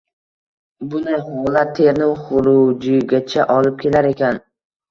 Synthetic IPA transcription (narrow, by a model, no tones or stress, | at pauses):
bʊnɪhɒlat̪ʰːe̞ɾnɪŋχʊɾʊd͡ʒɪɡʲat͡ʃʰaʔɒlɪp̚kʲʰe̞laɾe̞kʲan